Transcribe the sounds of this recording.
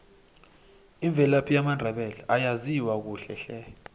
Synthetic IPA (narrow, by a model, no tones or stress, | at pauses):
iɱbvʱɛlapʰijamandʱɛɓɛlɛʔajaziwak̬uːɬɛ̰ɬɛ